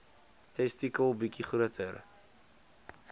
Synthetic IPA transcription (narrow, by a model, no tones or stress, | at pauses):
tɛstikəlˠbikiχɾuətʰər